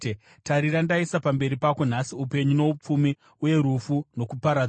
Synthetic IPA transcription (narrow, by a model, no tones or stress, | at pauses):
taɾiɾandaisapambe̞ɾipako̞n̤asiupe̞ɲuno̞up͡fumi | uje̞ɾufuno̞kupaɾa